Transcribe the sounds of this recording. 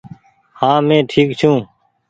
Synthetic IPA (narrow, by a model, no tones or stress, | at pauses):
hãːmẽːʈʰiːkt͡ʃʰũː